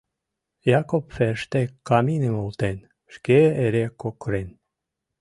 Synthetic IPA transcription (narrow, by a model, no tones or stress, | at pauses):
jakopfeʃt̪ekɑminemolt̪en | ʃkeeɾekokɾen